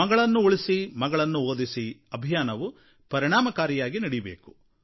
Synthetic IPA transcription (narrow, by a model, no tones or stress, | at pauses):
ɐɡɐɭɐnːuuɭisimɐɡɐɭɐnːuoːd̪isiɐbʱijaːnɐʋu | pɐɾiɳaːmɐkaːɾijaːɡinɐɽijbḛːku̥